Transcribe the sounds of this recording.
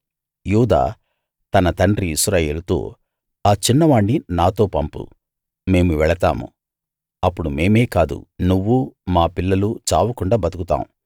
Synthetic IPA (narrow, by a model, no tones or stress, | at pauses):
juːd̪a̰ː | t̪ɐnɐt̪ɐɳɖɾiːsɾaːjeːlut̪o̞̰ː | aːt͡ʃinːɐʋaːɳɖinaːt̪o̞ːpɐmpṵ | me̞ːmuʋɛɭɐt̪a̰ːmṵ | ɐpːuɽume̞ːme̞ːkaːd̪ṵnuʋːumaːpilːɐlut͡ʃaːʋɐkuɳɖaːbɐt̪ukut̪a̰ːmu